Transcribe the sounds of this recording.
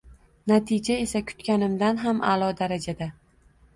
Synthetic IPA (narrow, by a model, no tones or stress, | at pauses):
nat̪ʰɪd͡ʒae̞sakʰʊ̥t̪kʲanɪmd̪anɦamʔa̰lˠɒd̪aɾad͡ʒad̪a